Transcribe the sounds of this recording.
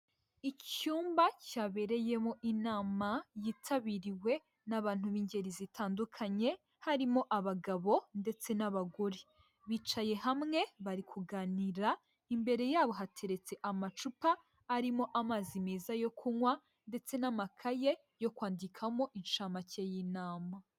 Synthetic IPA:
icuːmbacaːβe̞ɾe̞je̞mo̞ʔinaːmajitʰaβiɾiwe̞ | naβaːn̥huβiːɲɟe̞ɾizitaːndukʰaɲe̞ | haɾimo̞ʔaβaɡaβo̞nde̞t͡se̞naβaɡoɾi | βiːt͡ʃaje̞ɦamŋe̞βaɾikʰuɡaːniɾa | imbe̞ɾe̞jaːβo̞ɦatʰe̞ɾe̞t͡se̞ʔamat͡ʃupaː | ɾimo̞ʔamazimeːzajo̞kʰuŋwa | nde̞t͡se̞namakʰaje̞ | jo̞kwaːndikʰamo̞ʔit͡ʃamacejinaːma

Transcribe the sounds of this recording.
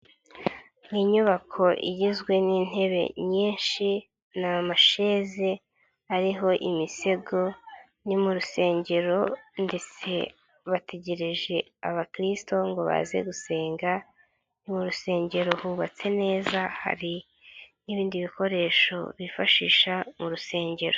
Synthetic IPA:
miːɲuβakʰo̞ʔḭɟizɡwe̞niːn̥he̞βe̞̰ɲiːnʃi | namaʃe̞ːze | aɾiɦo̞ʔimise̞ɡo̞ | nimuɾuse̞ːɲɟe̞ɾo̞nde̞t͡se̞̰ | βateɟe̞ɾeʒe̞ | aβakɾisto̞ŋɡo̞βa̰zḛɡuse̞ːŋɡa | nimuɾuse̞ːɲɟe̞ɾo̞huβat͡se̞ne̞ːzaha̰ɾi | niβiːndiβiko̞ɾe̞ːʃo̞̰βifaʃiːʃamuɾuse̞ːɲɟe̞ɾo

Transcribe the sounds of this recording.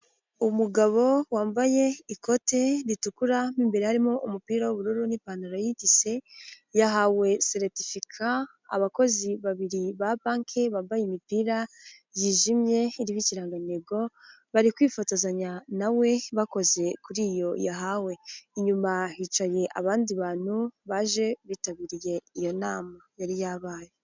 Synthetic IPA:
umuɡaβo̞waːmbaje̞iko̞te̞ɾitukuɾamiːmbe̞ɾehaɾimo̞ʔumupiːɾawuβuɾuɾuniːpanuɾojitise̞ | jaɦawe̞seɾtifikʰa̰ː | βako̞ziβaβiɾiβapaːŋkʰe̞βaːmbajemipiːɾajiːʒimje̞iɾiβiciɾaːŋɡaneɡo̞ | βaɾikwiːfotozaɲanawe̞βako̞ze̞kuɾijo̞jaɦawe̞iɲumahit͡ʃaje̞ʔa̰βaːndiβaːn̥huβaːʒe̞βiːtaβiːɾije̞ijo̞naːmajaɾijaːβaːje

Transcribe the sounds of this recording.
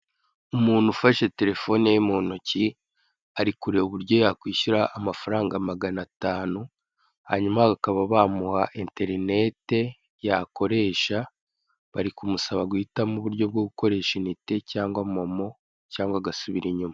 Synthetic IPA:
umuːn̥hufaʃe̞te̞ɾe̞fo̞nejemoːnuci | aɾikuɾeuβuɾɟo̞jakwiːʃuɾaʔːmafaɾaːŋɡamaɡanataːnu | ha̰ɲumaakaβaβamuhaʔente̞ɾine̞te̞ | jako̞ɾe̞ːʃa | βaɾikumusaβaɡwuhitamuβuɾɟo̞b̚ɡoɡuko̞ɾe̞ːʃinite̞caːŋɡwamo̞mo̞ | caːŋɡwaɡasuβiɾiɲuma

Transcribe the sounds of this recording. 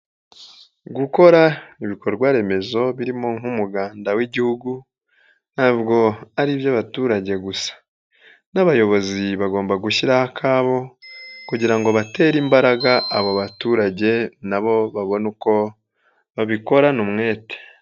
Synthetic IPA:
ɡuko̞ɾaiβikoɾɾɡwaɾe̞me̞zo̞βiɾimo̞ŋ̥humuɡaːndawiɟihuɡu | n̥haːβɡo̞aɾivjaβatuːɾaɟe̞ɡusḁ | naβajo̞βo̞ziβaɡoːmbaɡuçiɾahakʰaːβo̞kuɟiɾaŋɡo̞βate̞ːɾimbaɾaɡaaβoβatuːɾaɟe̞naβo̞βaβo̞nuko̞ | βaβiko̞ɾanumŋe̞ːte̥

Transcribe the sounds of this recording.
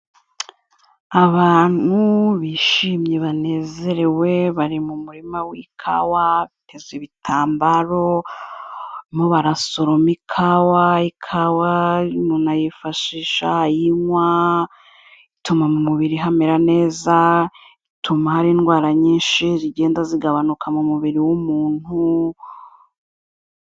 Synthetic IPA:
aβaːn̥huβiʃiːmɲeβane̞ːze̞ɾe̞we̞βaɾimumuɾimawikʰa̰waβitʰe̞ziβitʰaːmbaɾo̞ | moβaɾasoɾo̞mikʰawaikʰawanunajifaʃiːʃajiŋwa | itumamumuβiɾiɦameɾane̞ːza | itumahaɾiːnɡwaːɾaɲiːnʃiziɟe̞ːndaziɡaβanukʰamumuβiɾiwumuːn̥hu

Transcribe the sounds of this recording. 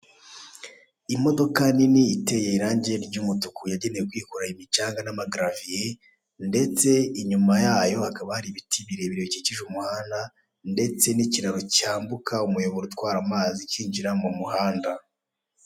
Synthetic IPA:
imo̞do̞kaniniite̞jeiɾaːɲɟeɾɾɟumutukujaɟe̞ne̞jekwiːkuɾaimit͡ʃaːŋɡanamaɡɾavije | nde̞t͡se̞iɲumajaːjo̞hakaβahaɾiβitʰiβiɾe̞βiɾioiciciʒumuhaːnda | nde̞t͡se̞niciɾaɾocaːmbukʰaumujo̞βoɾutwaːɾamaːziciːɲd͡ʒiɾamumuhaːnda

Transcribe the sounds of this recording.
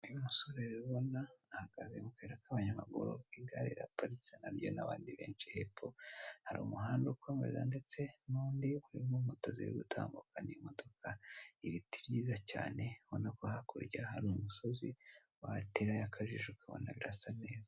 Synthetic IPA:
ijumusoɾeɾeɾuβo̞naahaɡ̥azemukeɾakaβaɲamaɡṵɾo̰iɡaɾeɾa̰paɾit͡senaɾjo̞naβa̰ːndiβe̞̰ːnt͡ʃihepʰohaɾiːmuɦaːndoko̞me̞̰za̰nde̞t͡se̞nuːndiβuɾḭmumoto̞zḭjḭɡutʰa̰ːmbukanimodo̞kʰaiβitiβɟiːzaca̰ːne̞βonakohakuɾɟahaɾuumuso̞ziwateɾajakʰaʒiʒukaβo̰naɡɾasane̞ːza

